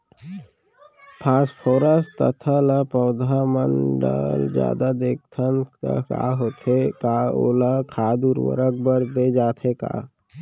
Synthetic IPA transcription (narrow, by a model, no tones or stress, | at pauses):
pʰaːspʰoːɾəst̪ət̪ʰələpɔːd̪ʱamə̃ɳɖə̰ld͡ʒja̰ːd̪ad̪eːk̚ʰt̪ʰəna̰ka̰ɦoːt̪ʰekaːo̰ːləkʰaːd̪uɾwə̰ɾək̚bəɾd̪ed͡ʒaːt̪ʰeka̰ː